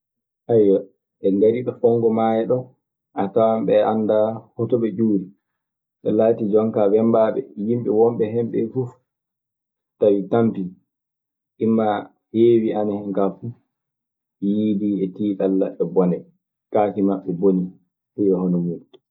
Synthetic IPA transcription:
ʔajːɔ | ɛndaɾiɗɔfɔŋɡɔmajɛɗɔ | atawamɓɛandahɔtɔɓɛd͡ʒuːɾi | ɗɛlaːtid͡ʒɔŋkabɛmbaɓɛ̰jimɓɛwɔmɓɛɦɛmɓɛfuf | tawitampi | ʔimːa | hewianahɛŋkafu | jiːdiɛtiːɗalːa̰ɓɛbɔnɛ | kaːkimaɓːɛboni | ɗɛjɔhɔnɔmut

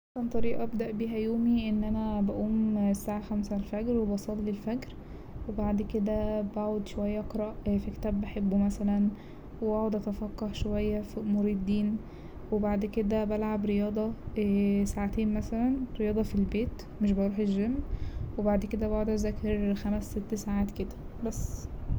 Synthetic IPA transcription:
ʔɑsɑnt̪ˤɑɾiːʔɑʔbd̪æʔbiːɦæjoːmiʔenːʔænæbæʔuːmsaːʕaxæmsælfæɡɾwebɑsˤɑlːilfæɡɾ | webaʕd̪ked̪æbaʕod̪ʃowæjːæʔqɾˤɑʔfikt̪æːbːæħebːomæsælæn | weaʕod̪ʔæt̪æfɑqːɑhʃowæjːæfmoɾiːd̪ˤːiːn | webaʕd̪ked̪æbælʕabɾejɑːd̪ˤɑ | saʕat̪eːnmæsælænɾejɑːd̪ˤɑfilbeːt̪ | meʃ̬bɑɾˤuːħeʒːemːwebaʕd̪ked̪æbæʕod̪æzækeɾxæmæsːet̪ːsaːʕaːt̪ked̪æ̥bæsː

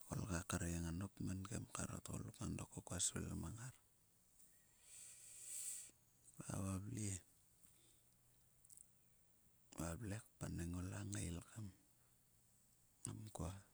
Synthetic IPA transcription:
o̰lɡakaɾejaŋanopmanɡḛmkaɾo̰toɣo̰lukandokokuasβḛlamaŋaɾ | βa̰βabli | βablek̚paneŋolaŋailkam | ŋamkoa

